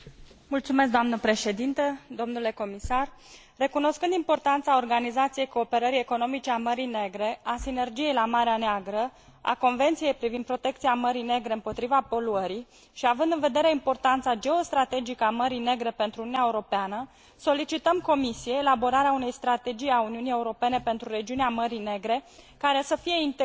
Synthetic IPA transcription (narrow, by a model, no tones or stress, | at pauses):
mult̪sumes̬k̚d̪oamnəpɾe̞ʃe̞d̪int̪əd̪o̞mnule̞ko̞misarː | e̞kuno̞skɨnd̪impo̞rt̪ant̪sao̞rɡanizat̪sije̞jko̞ːpe̞ɾəɾije̞ko̞no̞mit͡ʃeaməɾine̞ɡɾe̞asine̞rd͡ʒije̞jlamaɾeaneaɡɾə | a̰ko̞nve̞nt̪sije̞jpɾivind̪pɾo̞t̪e̞k̚t̪siaməɾine̞ɡɾe̞ɨmpo̞t̪ɾivapo̞luəɾi | ʃiavɨnd̪ɨnve̞d̪e̞ɾe̞impo̞rt̪ant̪sad͡ʒe̞o̞st̪ɾat̪e̞d͡ʒikəaməɾine̞ɡɾe̞pe̞nt̪ɾununeaeuɾo̞peanə | so̞lit͡ʃit̪əmko̞misije̞ːlabo̞ɾaɾeaune̞jst̪ɾat̪e̞d͡ʒijauniunije̞uɾo̞pe̞ne̞pe̞nt̪ɾuɾe̞d͡ʒiuneaməɾine̞ɡɾe̞kaɾe̞səfije̞int̪